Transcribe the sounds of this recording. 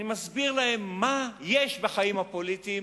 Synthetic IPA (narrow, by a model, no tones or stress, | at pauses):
nimazbiʁlahe̞mːajeʃbeχaimhapolit̪i